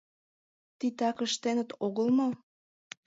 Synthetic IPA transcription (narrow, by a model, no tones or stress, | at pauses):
t̪it̪ɑkəʃt̪enət̪oɣəlˠmo